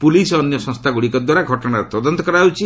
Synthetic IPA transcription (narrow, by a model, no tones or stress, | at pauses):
pulisɔɔnjɔsɔ̃ŋst̪ʰaɡuɽikɔd̪waɾaɡʱɔʈɔɽ̃aɾt̪ɔd̪ɔnt̪ɔkɔɾawt͡ʃʰi